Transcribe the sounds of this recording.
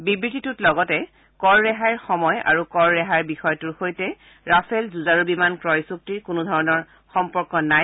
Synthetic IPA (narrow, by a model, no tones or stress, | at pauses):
bibɹititutlɔɡɔtɛ | kɔɹːɛɦaɹxɔmɔja̰ɹukɔɹːɛɦaɹbixɔjɔtuɹxojtɛ | ɹafʰɛlzuzaɹubimankɹɔjsup̚tiɹkʊnudʱɔɹɔnɔɹ | xɔmpɔɹkɔnaj